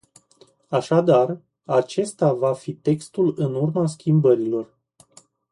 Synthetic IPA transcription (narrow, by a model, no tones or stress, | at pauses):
aʃad̪ar | at͡ʃe̞st̪avafit̪e̞kst̪ulɨnurmaskʲimbəɾilo̞r